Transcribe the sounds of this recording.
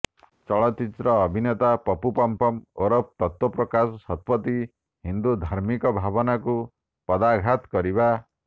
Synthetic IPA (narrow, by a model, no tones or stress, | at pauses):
t͡ʃɔɭɔt͡ʃit̪ɾɔːbʱinet̪apɔpupɔmpɔmoɾɔp̚t̪ɔt̪wɔpɾɔkasɔsɔt̪̚pɔt̪i | ɦind̪ud̪ʱaɾmikɔbʱabɔnaku | pɔd̪aɡʱat̪kɔɾiba